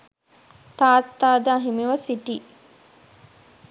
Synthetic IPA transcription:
t̪aːt̪ːaːd̪əːɦimiʋɐsiʈi

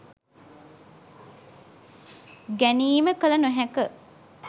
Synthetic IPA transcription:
ɡæniːməkəlɐnuɦækə

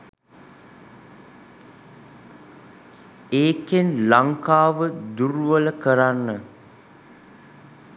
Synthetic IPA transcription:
eːkenlaŋkaːʋəd̪uɾuʋələkəɾanːə

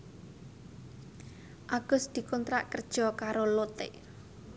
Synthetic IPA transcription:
ʔaɡ̥ʊ̤sd̪̥i̤kɔnt̪ɾa̰ʔkərd̥ʒ̥ɔ̤kaɾolot̪ɪ̰ʔ

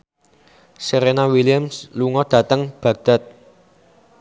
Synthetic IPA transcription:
seɾenawiliəmsluŋɔd̪̥ä̤t̪əŋb̥ä̤ɡ̚d̪̥a̤t̪̚

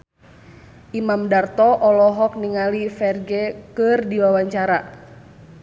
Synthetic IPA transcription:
ʔimamdart̪ɔʔɔlɔɦɔk̚niŋalifɛrɡɛkɨrdiwawaɲt͡ʃaɾa

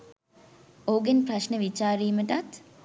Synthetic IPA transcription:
oːɡenprɐʃnəʋit͡ʃaːɾiːməʈat̪

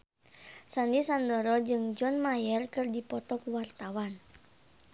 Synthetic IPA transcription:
sandisandɔɾɔd͡ʒɨŋd͡ʒɔnmajɛrkɨrdipɔt̪ɔkuwart̪awan

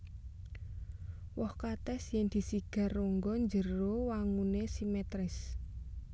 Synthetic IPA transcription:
wɔhkat̪ɛsjɛŋd̪̥i̤siɡ̥a̤roŋɡɔɲd͡ʒərowaŋunesimɛt̪ɾɪs

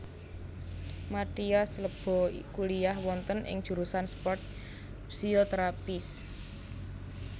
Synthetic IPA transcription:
maʈ̪iasləb̥ɔ̤kulijahwɔnt̪ənʔɪ̰ŋd̥ʒ̥ṳɾusanspɔrt̪̚ | psiot̪əɾapɪs

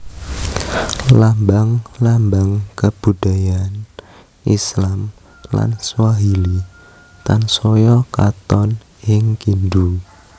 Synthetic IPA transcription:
lambaŋlambaŋkəb̥udajan | ʔislam | la̰nswaɦili | t̪ansojɔkat̪ɔn | ɪŋkindu

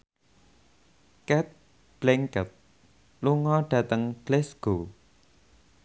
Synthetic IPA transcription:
kɛt̪̚ | b̥lɛŋkət̪̚ | luŋɔɖ̥ä̤t̪əŋb̥lɛsɡ̥o

